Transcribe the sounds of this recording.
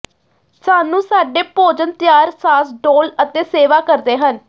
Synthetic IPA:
saːnũːsaːɖeːpoːd͡ʒənt̪jaːɾsaːsɖoːlət̪eːseːʋaːkəɾd̪eːɦən

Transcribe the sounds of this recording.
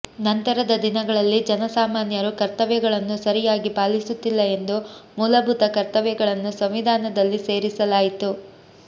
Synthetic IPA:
nɐnt̪ɐɾɐd̪ɐd̪inɐɡɐɭɐlːid͡ʒɐnɐsaːmaːnjɐɾukɐɾt̪ɐʋɛɡɐɭɐnːusɐɾijaːɡipaːlisut̪ːilːɐe̞nd̪umuːlɐbʱut̪ɐkɐɾt̪ɐʋɛɡɐɭɐnːusɐmʋid̪ʱaːnɐd̪ɐlːise̞ːɾisɐlaːjit̪u

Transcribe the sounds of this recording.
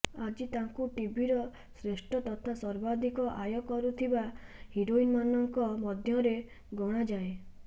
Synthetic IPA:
ad͡ʒit̪aŋkuʈibiɾɔ | sɾeʃʈʰɔt̪ɔt̪ʰasɔɾbad̪ʱikɔʔajɔkɔɾut̪ʰibahiɾoinmanɔŋkɔmɔd̪ʱjɔɾe | ɡɔɽ̃ad͡ʒaẽ

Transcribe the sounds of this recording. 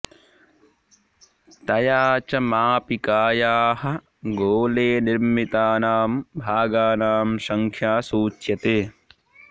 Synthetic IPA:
t̪ɐjaːt͡ʃɐmaːpikaːjaːhɐ̆ | ɡoːleːniɾmit̪aːnaːmbʱaːɡaːnaːmsɐŋkʰjaːsuːt͡ʃjɐt̪eː

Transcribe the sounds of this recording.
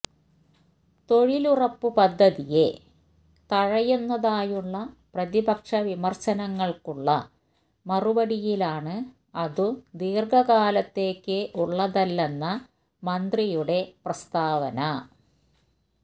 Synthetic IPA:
t̪o̞ɻilurɐpːupɐd̪ʱːɐðije̞ | t̪ɐɻɐjunːɐðaːjuɭːɐ | prɐðibɐkʂɐʋimɐrɕɐnɐŋːɐɭkuɭːɐ | mɐrubɐɽijilaːɳɨ | ɐðɨd̪iːrɡɐɣaːlɐt̪ːe̞ːkːɨʔuɭːɐðɐlːenːɐ | mɐnd̪rijuɽe̞prɐst̪aːʋɐnɐ

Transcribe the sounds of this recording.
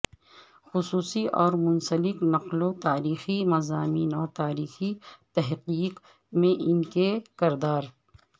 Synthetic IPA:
xʊsuːsiʔɔːɾmʊnsəlɪknɐqlot̪aːɾiːximɐzaːmiːnɔːɾt̪aːɾiːxit̪ɛɦqiːq | mẽʔɪnkekɪɾd̪aːɾ

